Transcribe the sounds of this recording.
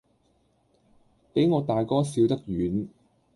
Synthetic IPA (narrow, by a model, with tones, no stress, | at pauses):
pe˨˥jŋɔː˨˧t̪aː˨jkɔː˥siː˨˧wt̪ɐ˥k̚jyː˨˥n